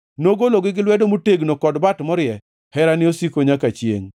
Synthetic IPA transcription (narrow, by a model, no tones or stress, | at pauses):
noɡoloɡɪɡɪlwɛdomuteɡnokɔdbatmɔɾjɛ | hɛɾanɪosikoɲakat͡ʃjḛŋ